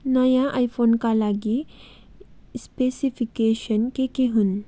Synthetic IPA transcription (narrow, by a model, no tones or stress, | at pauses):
najãʔajfonkalaɡi | spesifikeɕənkekeɦuːn